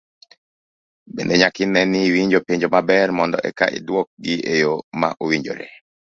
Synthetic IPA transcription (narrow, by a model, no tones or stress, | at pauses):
bḛndeɲakɪnɛnɪwiɲd͡ʒopeɲd͡ʒomabɛrmɔndɔ̰ʔɛ̰ka̰ʔḭdwɔk̚ɡɪejoma̰ʔowiɲd͡ʒo̰ɾḛ